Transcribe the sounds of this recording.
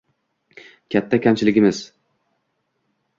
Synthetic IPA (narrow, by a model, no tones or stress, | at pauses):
kʲʰat̪ʰːakʲamt͡ʃʰɪlɪɡʲɪmɪz̥